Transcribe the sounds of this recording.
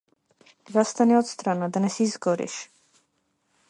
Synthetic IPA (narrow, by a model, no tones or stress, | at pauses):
zast̪aniɔt̪st̪ɾanad̪anɛsizɡɔɾḭʃ